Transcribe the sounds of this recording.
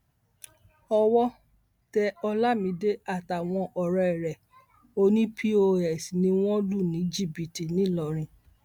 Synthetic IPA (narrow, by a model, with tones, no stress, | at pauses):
ɔ˧wɔ˦ | tɛ˧ɔ˧la˦mĩ˧˦de˦a˦˨ta˨w̃ɔ̃˧ʔɔ˨ɾɔ˧ɛ˨ɾɛ˨ | o˧nĩ˦pʰi˦o˧ɛ˨snĩ˧˦w̃ɔ̃˦lu˦˨nĩ˨˦d͡ʒi˦˨bi˨ti˨nĩ˨˦lɔ˨ɾ̃ĩ˧